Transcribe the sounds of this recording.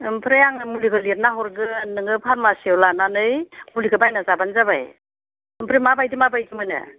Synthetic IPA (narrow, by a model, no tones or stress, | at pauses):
ɯmpʰɾejaŋɯmuliɡɯlit̚naɦɔɾɡɯnɯŋɯpʰaɾmasewlananɯjmuliɡɯbajnazabanzaba̰j | ɯmpʰɾimabajdimabajdimɯnɯ̰